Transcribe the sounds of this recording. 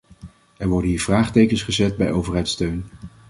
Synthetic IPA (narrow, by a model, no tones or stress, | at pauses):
ɛɹʋɔɹdəniːɹv̥raːχtejkənsχəzɛt̚bɛ̰jowvəɹɦɛjtstøɥn